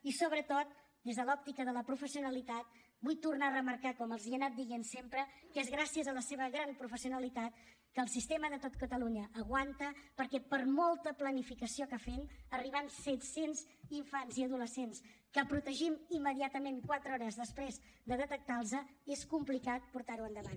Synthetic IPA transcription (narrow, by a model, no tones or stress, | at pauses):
isoβɾət̪ot̪̚ | d̪ezðəlɔp̚t̪ikəðələpɾufəsiunəlit̪at̪̚ | bujt̪urnarəməɾkakɔməlˠziənat̪̚d̪iɣensempɾəkezɣɾasiəzələseβəɣɾampɾufəsiunəlit̪at̪̚ | kəːlˠsist̪eməðət̪ot̪kət̪əluɲəʔːɣwant̪əpəɾkɛpəɾmɔlˠt̪əplənifikəsiokafenəriβ̞ansɛt̪senz | iɱfanziəðuləsenskəpɾut̪əʒimimːəðiat̪əmenkwat̪ɾəɔɾəzðəspɾez | d̪əðət̪ək̚t̪alˠzəeskumplikat̪̚puɾt̪aɾuənd̪əβan